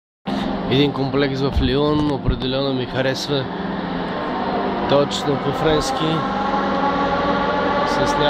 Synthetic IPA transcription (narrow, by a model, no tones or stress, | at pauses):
ɛd̪iŋkomplɛksvɐfliɔnopɾɛd̪ɛlɛnomixɐɾɛsvə | t̪ɔt͡ʃnopofɾɛnskʲi | sɐsnʲa